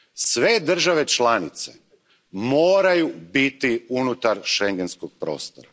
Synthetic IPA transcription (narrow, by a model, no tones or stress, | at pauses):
sʋe̞d̪r̩ʒaʋe̞t͡ʃlanit̪sḛ | moːɾajubit̪iunut̪aɾʃeŋɡenskoɡ̚pɾo̞̰ːst̪oɾa